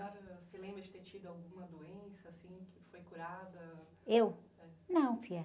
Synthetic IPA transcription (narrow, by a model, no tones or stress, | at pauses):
ɔɾsɪlẽbɾɐd͡ʒɪt̪eɾt͡ʃid̪ʊawɡũmɐd̪oẽsɐːsĩkɪfojkuɾad̪ɐ | ewɛnɐ̃w̃fiɛ